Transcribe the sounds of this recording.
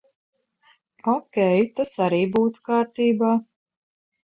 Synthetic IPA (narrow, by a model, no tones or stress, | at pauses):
ɔkʲɛjt̪asaɾiːbuːt̪u̥kaːɾt̪iːbaː